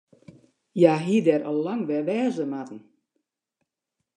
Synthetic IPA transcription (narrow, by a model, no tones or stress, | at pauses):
jaɦiədɛrɔlːaŋʋɛʋɛːzəmatn̩